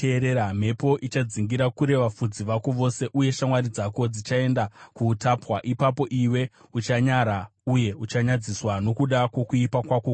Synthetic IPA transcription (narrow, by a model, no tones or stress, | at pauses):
eɾeɾam̤e̞po̞ʔit͡ʃad͡ziŋɡiɾakuɾe̞ʋafud͡ziʋakoʋo̞se̞ʔuje̞ʃamwaɾid͡zako̞d͡zit͡ʃae̞ndakutapwaʔipapo̞ʔiwe̞ | ut͡ʃaɲaɾauje̞ut͡ʃaɲad͡ziswano̞kuɗakwo̞kuipakwako